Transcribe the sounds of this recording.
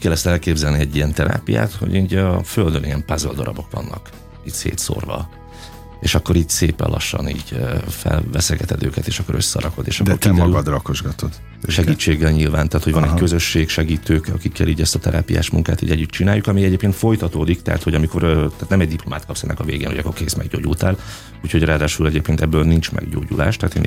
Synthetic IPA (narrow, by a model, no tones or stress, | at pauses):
kɛlːɛst̪ɛlkeːbzɛlniɛɟːiɛnt̪ɛɾa̰ːpija̰ːt̪ho̞̰ɟiːɟɒføld̪øniɛmpazøld̪ɒɾɒbo̞kʋɒnːɒk | it̪sḛːt̪so̰rvɒ̰ | eːʃɒkːo̞ɾiːɟseːpɛ̰nlɒ̰ʃːɒ̰niːɟøfɛ̰lvɛsɛɡɛt̪ɛd̪ø̰ːkɛt̪eːʃɒkːo̞ɾøsːɒ̰ɾɒko̞d̪eːʃɒdk̪oɾt̪iɛmdɛɒyɡɒd̪rɒkoʒɡɒt̪od̪ | ʃɛɡiːt͡ʃːeːɡːɛlɲilvaːnt̪aːt̪ho̞ɟɒnɛɟkø̞zø̞ʃːeːkʃɛɡiːt̪øːkɒkikːɛliːɟɛst̪ɒt̪ɛɾʔa̰ːpija̰ːʃmuŋkaːt̪ḭːɟɛɟːyt̪t͡ʃinaːjːukɒmiɛɟeːpkeːnt̪fo̞jt̪ɒt̪oːd̪ikt̪ɛɦa̰t̪hoɟɒmiko̞ɾt̪aːt̪nɛmɛɟd̪iplo̞maːt̪kɒpsɛnːʔɛ̰kɒveːɡeːno̰jɒkːo̞rkeːsmɛɡɟoːɟult̪aːl | uːcho̞ɟraːd̪aːʃulɛɟeːp̚keːnt̪ɛbːøːlnint͡ʃmɛ̰ɡɟoːɟula̰ːʃt̪ɛaːt̪eːn